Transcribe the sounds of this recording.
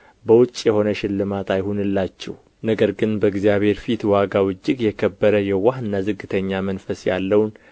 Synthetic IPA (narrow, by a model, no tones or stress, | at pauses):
bəwʊt͡ʃʼːjɛho̞nəʃɪlːɨmat̪ʰajhunɨlːat͡ʃːɛ̰w | nəɡəɾɡɨnbəɡzijaβhe̞ɾfit̪waɡawɨd͡ʒːɪɡjɛkʰəbːəɾəjɛwahɨnːazɨɡːɨt̪ʰəɲːamənfəsja̰lːəwn